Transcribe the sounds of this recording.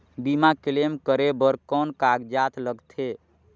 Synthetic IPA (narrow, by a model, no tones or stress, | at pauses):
bimakilemkəɾebəɾkɔnkaɡd͡ʒat̪ləɡt̪ʰe